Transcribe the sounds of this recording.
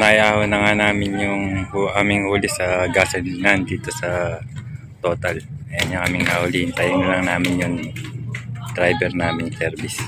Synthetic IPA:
najaːhonɐŋanaːmɪnjʊŋhuʔaːmɪŋhuːlɪsɐɡaːsɛnnand̪iːt̪o̞sɐ | t̪o̞ːt̪ɐlɐjɐnɲaʔaːmɪŋnahʊlihɪnt̪aːjɐnɐlɐŋnaːmɪnjʊŋ | d̪̥ɾajbɛɾnaːmɪŋsɛɾbɪs

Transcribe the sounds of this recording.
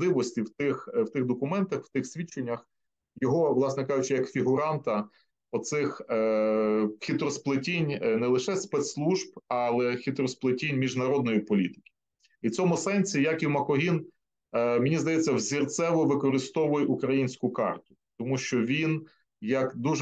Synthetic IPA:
lˠɪʋɔsʲtʲiwt̪ɪxwt̪ɪxd̪ɔkʊmɛnt̪ɐxw̥t̪ɪxsʲʋʲit͡ʃːenʲːɐx | jɔɦɔʋlˠɑsnɛkɑʒʊt͡ʃɪjɐkfʲiɦʊɾɑnt̪ɐ | ɔt̪sɪx | xʲit̪ɾɔsplˠɪtʲinʲnɛlˠɪʃɛspɛt̪slˠuʒb̚ɑlˠɛxʲit̪ɾɔsplˠɪtʲinʲmʲiʒnɐɾɔd̪̚nɔjipɔlʲit̪ɪ̥kʲi̥ | it͡sʲɔmʊsɛnʲsʲijɐkiwmɐkɔɦin | mɪnʲizd̪ɐjɛt͡sʲːɐwzʲirt̪sɛʋɔʋɪkɔɾɪst̪ɔʋʊjɛʔukɾɐjinʲsʲkʊkɑ̰rt̪ʊ̥ | t̪ɔmuʃt͡ʃɔʋʲin | jɐkd̪uʒ

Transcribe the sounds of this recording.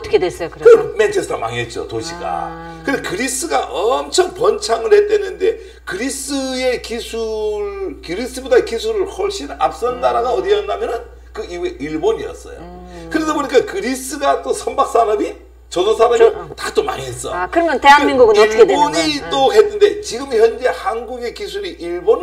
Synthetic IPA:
tkʰeesjɯkɯme̞nt͡ɕʰesʰtʰoma̰ŋiet̚t͡ɕ͈o̰toɕʰiɡa̰ | kɯnekɯɾis͈ɯɡaʔʌmt͡ɕʰʌŋpʌnt͡ɕʰaŋɯɭhe̞t̚t͈wenːɯnde̞ | kɯɾis͈ɯe̞kisʰuɾkɯɾis͈ɯbodaekisʰuɾɯɭhʌɭɕ͈ina̰p̚s͈ʌnnːaɾaɡaʌdiʌnːamjʌnɯn | kɯieiɭboɲiʌ̰s͈ʌ̰jo̰ | kɯɾe̞sʰʌpoɲik͈akɯɾis͈ɯɡat͈osʰʌmbak̚s͈aɾami | t͡ɕʌdʌsʰaɾamitat͈oma̰ɲies͈ʌ̰kɯɾʌmjnteɦamiŋɡuɡɯnɭboɲit͈oɦe̞nːɯnde̞t͡ɕiɡɯmçjʌnd͡ʑe̞hanɡuɡe̞kisʰuɾiʔiɭbon

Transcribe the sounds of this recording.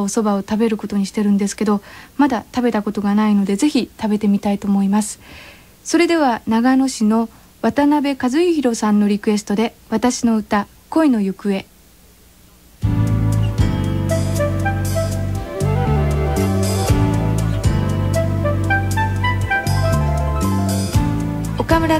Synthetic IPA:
oso̞baot̪abe̞ɾɯ̟ko̞t̪o̞ɲ̟iɕi̥t̪e̞ɾɯ̟̃nd̪e̞sɨ̥ke̞d̪o̞mad̪at̪abe̞t̪ako̞t̪o̞ɡanaino̞d̪e̞ze̞çit̪abe̞t̪e̞mʲit̪ait̪o̞ːmo̞imasɨ̥ | so̞ɾe̞d̪e̞β̞anaɡano̞ɕino̞ | βat̪anabe̞kazɨiçiɾo̞sãnːo̞ɾʲikɯ̟e̞sɨ̥t̪o̞d̪e̞βat̪aɕino̞ɯ̟t̪a | ko̞ino̞jɯ̟kɯ̟e̞ | o̞kamɯ̟ɾa

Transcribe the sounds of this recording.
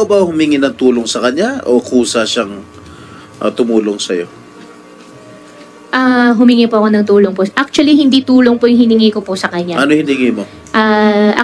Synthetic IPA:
bɐhʊmiŋɪnɐŋt̪uːloŋsɐkɐɲjaʔokuːsɐʃaŋ | ʔɐ̰t̪ʊmuːloŋsɐjo̞̰ | ʔaɦʊmɪŋipoɐko̞nɐŋt̪uːloŋpoʔak̚t͡ʃ̪ʊɐlihɪnd̪iːt̪uːlo̞ŋpojʊŋhɪnɪŋiːkoposɐkɐɲːaʔɐnohɪnɪŋimo | ʔaʔ

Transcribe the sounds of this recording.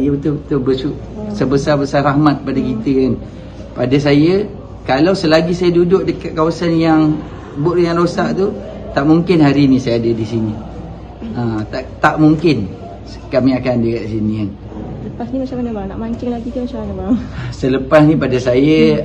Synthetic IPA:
jəut̪ʊt̪ʊbəsuʔ | səbəsarbəsarahmat̪̚padakit̪əkan | padas̬ajə | kalawsəlaɡisajadudʊʔ̚dəkat̪̚kawasanjaŋ | bʊʔjanlosaʔt̪u | t̪aʔmuŋkɪnɦaɾinĩsajadadisini | ãt̪aʔt̪aʔmuŋkɪn | səkamĩakandəkaʔ̪sinikan | sələpasnimat͡ʃamanəbaanaʔmaɲt͡ʃɪŋlaɡik̪umat͡ʃamanəbaɾasələpasnĩpadasajə

